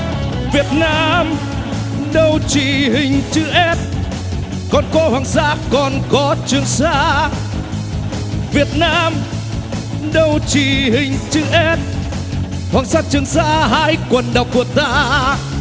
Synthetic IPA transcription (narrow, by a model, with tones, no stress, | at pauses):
vi˨˩ət̚naː˧m | ɗə˧wt͡ɕi˧˨˩ɦï˨˩ŋ̟t͡ɕɨ˧˦ʔɛ˦˥t̚ | kɔ˨˩nkɔ˨˦hwaː˨˩ŋza̰ː˧˥kɔ˨˩nkɔ˨˦t͡ɕɨ˨˧˩əŋsa̰ː˧˥ | vi˨˩ət̚naː˧m | ɗə˧˩wt͡ɕi˧˨˩hï˨˩ŋ̟t͡ɕɨ˧˦ʔɛ˧˦˥t̚ | hwaː˨˩ŋsaː˧˥t͡ɕɨ˧əŋsaː˧˥haː˧jkwə˨˩nɗa˨˩wk͡p̚ku˧˩ət̪aː˧